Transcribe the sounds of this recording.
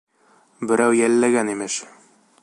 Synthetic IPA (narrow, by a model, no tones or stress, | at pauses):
bɘ̆ɾæwjælːæɡænimɘʃ